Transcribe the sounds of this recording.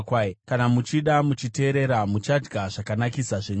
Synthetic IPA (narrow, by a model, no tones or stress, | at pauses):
kwakanamut͡ʃiɗamut͡ʃite̞ɾe̞ɾamut͡ʃad͡ʒɡaʐakanakisaʐeɲ